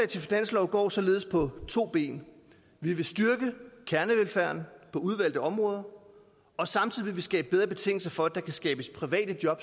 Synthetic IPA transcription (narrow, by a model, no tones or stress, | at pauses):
ɛt͡sʰe̝finæn̰slɒʊɡ̥ɒ̰ːsɒ̽le̝ːð̞ˠspʰɒ̽t͡sʰo̝̰ːb̥e̝̰ːn | ʋiʋe̝sd̥yɐɡ̥əkʰæɐnəʋelfæɐnpʰɒ̽uð̞ˠʋæl̰d̥ˠæɒ̽mʁɔ̽ːð̞ˠɐ | ɒ̽sɑ̈mt͡sʰið̰ˠiʋeʋesɡ̥ɛ̰ːb̥əb̥eðˠʁɐb̥e̝t͡sʰe̝ŋ̰l̩sɐfɒ̽æd̥ɑ̈kʰæsɡ̥ɛːb̥əspʰʁiʋɛ̰ːd̥əd̥jɒ̽b̥